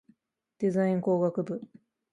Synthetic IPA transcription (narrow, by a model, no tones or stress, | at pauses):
d̪̥e̞zaĩŋko̞ːɡakɯ̟bɯ̟